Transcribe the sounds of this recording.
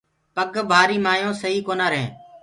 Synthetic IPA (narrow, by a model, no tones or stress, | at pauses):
pəɠbʱaːɾiːmaːjõːsəɦiːkoːnaːɾəɦḛ̃ː